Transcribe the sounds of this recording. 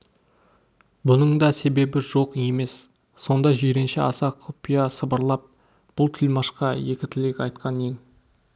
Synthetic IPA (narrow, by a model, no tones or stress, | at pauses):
bʊnəɴd̪ɑse̞be̞bɪʒo̞qe̞me̞sː | o̞nd̪ɑʒeɾenʃɪɑsɑqʰopijɑsəbəɾlˠɑp̚ | b̥ʊlˠt̪ʰɪlmɑʃqɑje̞kʲɪt̪ʰɪlekʲɑjt̪̚qʰɑneŋ